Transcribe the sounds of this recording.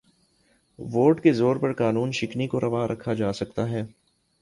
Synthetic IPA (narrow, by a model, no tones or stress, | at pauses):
ʋoːʈkezoːɾpɐɾkaːnuːnʃɪknikoɾʔɐʋaːɾʔɐkʰad͡ʒaːsɐkt̪aɦɛː